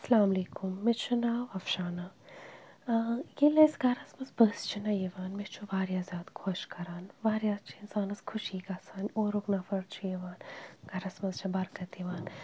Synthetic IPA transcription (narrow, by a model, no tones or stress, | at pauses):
ɐsɐlaːmleːkumːet͡ʃʰunaːʋɐfʃaːna | jelɐjsɡɐɾɐsmɐzbəst͡ʃʰinɐjeʋaːnmet͡ʃʰuʋaːɾjaːzʲjaːd̪kʰoʃkɐɾaːnʋaːɾjaːst͡ʃʰiinsaːnɐskʰʊʃiːkaːsaːnʲoːɾuknaːfɐɽt͡ʃʰijeʋaːnɡɐɾɐsmɐzt͡ʃʰɐbɐɾkɐt̪iʋaːn